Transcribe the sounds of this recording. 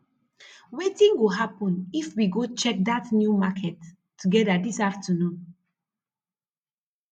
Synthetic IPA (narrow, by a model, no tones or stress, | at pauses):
wetĩŋɡwuɦapə̃nifwiɡot͡ʃɛk̚d̪atnjumakʰɛtːʰ | uɡɛdədisaftʰənũn